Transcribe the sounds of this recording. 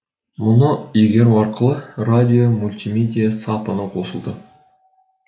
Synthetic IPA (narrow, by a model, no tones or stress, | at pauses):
mʊnəjeɡʲe̞ɾɑɾqəlˠəradʲiomulʲt̪ʲimʲed̪ʲijasɑpənəqʰo̞səlˠd̪ə